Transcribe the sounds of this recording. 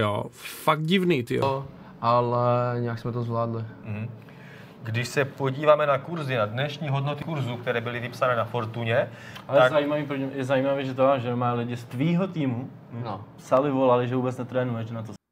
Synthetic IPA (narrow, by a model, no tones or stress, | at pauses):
jo̰faɡ̚t̪̚ɟɪvniːt̪ɪjo̰ | ʔalɛɲɛjaksmɛt̪ozvlaːdlɪm̩ɦ̩ | ɡdɪʃsɛpo̞ɟiːvaːmɛnakuɾzɪnadnɛʃɲiːɦodnot̪ɪkuɾzuk̚t̪ɛɾɛːbɪlɪvɪpsanɛːnafoɾt̪uɲɛ | alɛjaɛzajiːmaviːpɾoɲimjɛzajiːmavɛːʒɛt̪oaʒɛmaːlɪɟɪst̪viːɦot̪iːmu | npsalɪvo̞lalɪʒɛvuːbɛt͡snɛt̪ɾɛːnuɛʒɛnat̪̬o